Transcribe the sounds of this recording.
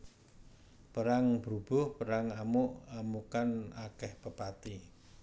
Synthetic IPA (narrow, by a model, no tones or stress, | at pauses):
pəɾaŋbɾub̥ʊ̤hpəɾaŋamʊʔamukanakɛhpəpat̪i